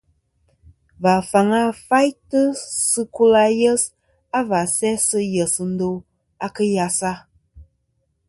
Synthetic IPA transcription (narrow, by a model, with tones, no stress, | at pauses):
va˨fa˨ŋa˦fa˦jtə˦sɨ˦ku˦la˦jə˦s | a˦va˨sɛ˦sɨ˦jə˨sɨ˨n̩˦do˦ | a˦kə˦ja˨sa˦